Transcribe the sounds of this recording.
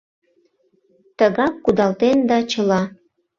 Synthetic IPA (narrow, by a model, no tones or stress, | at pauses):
t̪əɣɑkːud̪ɑlt̪end̪ɑt͡ɕəlɑ